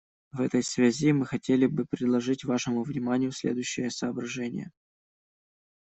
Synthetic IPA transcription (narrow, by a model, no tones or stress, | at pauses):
vɛt̪əjsvʲazʲimɨxɐtʲelʲɪbɨpɾʲɪd̪lˠɐʐɨtʲvaʂɨmʊvnʲɪmanʲɪjʊsʲlʲḛd̪ʊjʉɕːɪjəsəːbɾɐʐɛnʲɪ̰jə̰